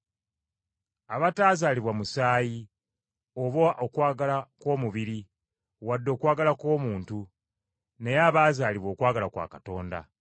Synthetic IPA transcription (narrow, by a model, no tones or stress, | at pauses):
aβataːzaːliβwamusaːji | oβoʔokwaːɡalako̞ːmuβiɾi | wadːo̞ːkwaːɡalako̞ːmuːntu | ne̞jaːβaːzaːliβwo̞ːkwaːɡalakwa̰ːkato̞ːnda̰